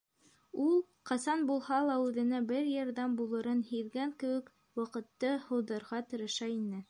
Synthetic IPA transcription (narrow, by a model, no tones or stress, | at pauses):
ulˠ | qɑsɑnbulˠɦɑlˠɑʉðɘ̆næbɘɾjɑɾðɑmbulˠɤ̆ɾɤnhiðɡæŋkɘ̆wɘ̆k | wɑqɤ̆t̪ːɤhɤ̆wðɑ̆ɾʁɑt̪ɤ̆ɾɤ̆ʃɑinɘ